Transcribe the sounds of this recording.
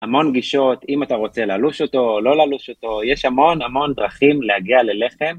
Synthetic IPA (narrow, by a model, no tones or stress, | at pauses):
hamo̞nɡiʃo̞timat̪aʁo̞t͡se̞laluʃo̞to̞lo̞laluʃo̞to̞jeʃhamo̞namo̞nd̪ʁaχimlehaɡiale̞le̞χe̞m